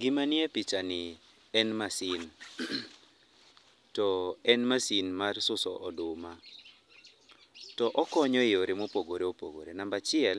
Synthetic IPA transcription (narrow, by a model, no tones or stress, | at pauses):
ɡɪmanɪepit͡ʃanɪ | ɛnmasin | tɔɛnmasinmarsʊsɔʔɔdʊma | tɔʔɔkɔɲɔɪoɾemopoɡoɾeopo̰ɡo̰ɾenambat͡ʃɪɛl